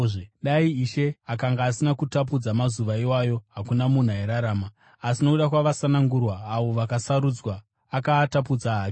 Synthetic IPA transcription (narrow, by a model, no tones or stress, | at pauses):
ʐɗaiiʃe̞akaŋɡaːsinakutap̬ud͡zamazuʋaiwajo̞ɦakunamun̤aeɾaɾaːmaː | sinouɗakwaʋasanaŋɡurwaːʋo̞ʋakasaɾud͡zwaː | katapud͡zaɦaːk